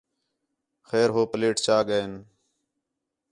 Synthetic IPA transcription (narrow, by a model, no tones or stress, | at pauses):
xeːɾɦoːpəleːʈt͡ʃaːɠən